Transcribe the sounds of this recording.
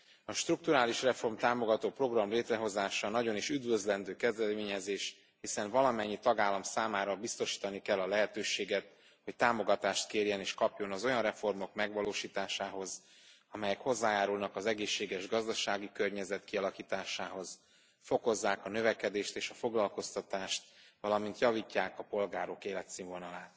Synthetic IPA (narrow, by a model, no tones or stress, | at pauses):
ɒʃt̪ruk̚t̪uɾaːliʃrɛfo̞rmt̪aːmo̞ɡɒt̪oːpro̞ɡrɒmleːt̪rɛɦo̞zaːʃɒnɒɟo̞niʃyd̪vø̞zlɛnd̪øːkɛzd̪ɛmeːɲɛzeːʃ | hisɛɱvɒlɒmɛɲːit̪ɒɡaːlːɒmsaːmaːɾɒbist̪o̞ʃi̥ːt̪ɒnikɛlːɒlɛɦɛt̪øːʃeːɡɛt̪̚ | ho̞ct̪aːmo̞ɡɒt̪aːʃt̪keːrjɛneːʃkɒpjo̞nɒzo̞jɒnrɛfo̞rmo̞kmɛɡʋɒloːʃiːt̪aːʃaːɦo̞z | ɒmɛjɛkho̞zːaːjaːɾulnɒkɒzɛɡeːʃːeːɡɛʒɡɒzd̪ɒʃaːɡikørɲɛzɛt̪kiɒlɒkiːt̪aːʃaːɦo̞z̥ | fo̞ko̞zːaːkɒnø̞vɛkɛd̪eːʃt̪eːʃɒfo̞ɡlɒlko̞st̪ɒt̪aːʃt̪̚vɒlɒmin̪t̪jɒvicːaːkɒpo̞lɡaːɾo̞keːlɛt̪siːɱvo̞nɒlaːt̪